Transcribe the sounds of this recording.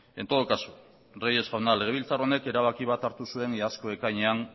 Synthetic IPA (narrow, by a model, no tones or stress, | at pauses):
e̞nt̪o̞ð̞okasu | reje̞sɣawnale̞ɣe̞β̞ilt͡saro̞ne̞ke̞ɾaβ̞akiβ̞at̪aɾt̪usue̞nasko̞e̞kajɲean